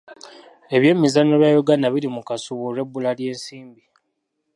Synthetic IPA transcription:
e̞βje̞ːmizanoβjaːjoɡanaβiɾimukasuβuɾe̞bːulalje̞ːnsiːmbi

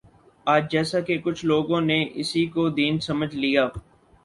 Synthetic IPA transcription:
aːd͡ʒd͡ʒɛːsakekʊt͡ʃʰloːɡõːneʔɪsikod̪iːnsɐməd͡ʒʱlijaː

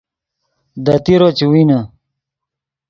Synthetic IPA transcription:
d̪ɐt̪iɾot͡ɕiwina

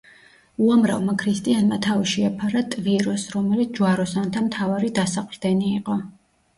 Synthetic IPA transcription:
uamɾa̰vmakʰɾist̪ʼianmat̪ʰaviʃiapʰaɾat̪ʼviɾɔsɾɔmɛlit̪sʰd͡ʒuaɾɔsant̪ʰamt̪ʰavaɾid̪asaqʼɾd̪ɛniːqʼɔ

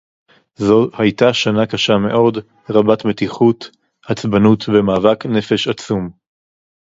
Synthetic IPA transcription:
zo̞hajtaʃanakaʃame̞ʔo̞d | ʁabatme̞tiχut | hat͡sbanutvemaːvakne̞fe̞ʃat͡sum

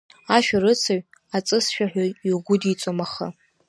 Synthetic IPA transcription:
aʃᶣaɾɨt͡sʰaɥ | at͡sʼɨsʃᶣaħʷᶣaiɡʷʊdit͡sʼomaχa̰

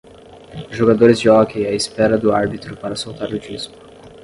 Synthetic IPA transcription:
ʒoɡad̪oɾɪzd͡ʒɪɔkejɐɪspɛɾɐd̪ʊaɾbit̪ɾʊpaɾɐsowt̪aɾʊd͡ʒiskʊ̥

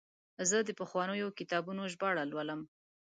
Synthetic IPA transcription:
zəd̪əpəxwɑnəjokɪt̪ɑbunoʒbɑɽalwaləm

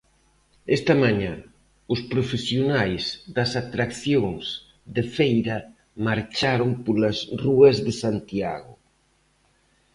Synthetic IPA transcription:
ɛst̪ɐmaɲã | ʊspɾofesjonajsd̪ɐsat̪ɾakθjoŋs | ðefejɾɐ | maɾt͡ʃaɾoŋpoɾlɐzruɐzðesant̪ja̰ɣʊ̰

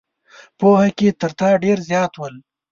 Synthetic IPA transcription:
pohaket̪əɾt̪ɑɖeɾzjɑːt̪wəl

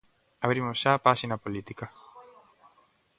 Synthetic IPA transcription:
avɾimoʒapasinapolit̪ika

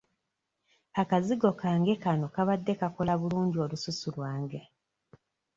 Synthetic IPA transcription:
akaziɡo̞kaːŋɡe̞kano̞kaβadːe̞kako̞laβuluːɲɟio̞ːlususulwaːŋɡe̞

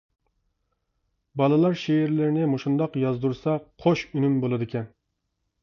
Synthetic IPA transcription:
bɑlˠɨlˠɑɾʃeɪɾlɪɾɪnɪmoʃund̪ɑqjɑzd̪uɾsɑqʰoʃynymbolˠɨd̪ɪkʲʰɛn

